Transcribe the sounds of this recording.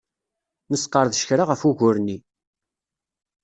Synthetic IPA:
nəsqːəɾðʃə̥çɾaʁəfuʝʊɾni

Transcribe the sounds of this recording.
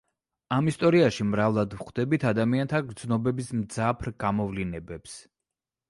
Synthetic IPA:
amist̪ʼɔɾiaʃimɾavlˠad̪vχd̪ɛbit̪ʰad̪amiant̪ʰaɡɾd̪znɔbɛbismd̪zapʰɾɡamɔvlinɛbɛps

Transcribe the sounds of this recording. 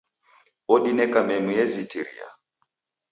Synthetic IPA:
ɔɗinɛkamɛmuɛzitiɾḭa̰

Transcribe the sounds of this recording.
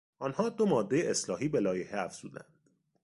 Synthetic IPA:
ɒːnhɒːd̪o̞mɒːd̪ːe̞jeʔeslɒːɦiːbe̞lɒːjeheæfz̥ṵːd̪æ̰nd̪̥

